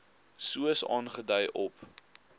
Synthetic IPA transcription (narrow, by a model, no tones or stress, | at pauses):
suəsɑ̰ːnχədɐjʔɔp